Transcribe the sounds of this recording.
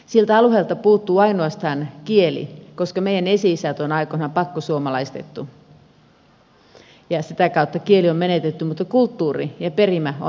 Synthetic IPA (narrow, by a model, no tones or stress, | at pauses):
silt̪æɑluheːlt̪ɑpuːt̪ːuːɑinoɑst̪ɑːnkielḭkoskɑmeijænesiːsæt̪onɑikonɑpɑkːosuomɑlɑist̪et̪ːu | jɑsit̪ækɑut̪ːɑkieliommenet̪et̪ːymut̪ːɑkult̪ːuːrijɑperimæo̰n